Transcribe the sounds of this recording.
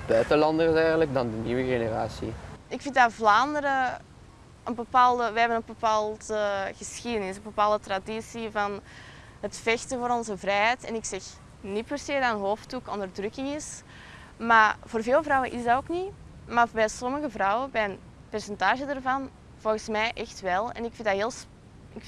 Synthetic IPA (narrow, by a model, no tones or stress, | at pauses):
bœɥtəlɑndəsɛjɣənlək̚dɑndəniwəɣenəraːsḭɪkfɪntdavlaːndəɾə | ənbəpaːlˠdəʋəɦɛbənənbəpaːlˠtəɣəsxidənɪsənbəpaːlˠdətradisivɑn | ɦətfɛxtəvoːɾɔnzəvrɛjɦɛtɛ̰nɪksɛx | nipɛrseːdɑənɦoːftukɔndərdrɵkɪŋɪs | maːvoːrveːlˠvrɑwənʔɪzdaoːkni | maːbɛsɔməɣəvrɑwəbɛjən | pɛrsɛntaːʒədarvɑn | v̥ɔlˠɣəsmɛjʔɛxtʋɛlˠɛ̰nɪkfɪndaɦeːlˠs | ɪk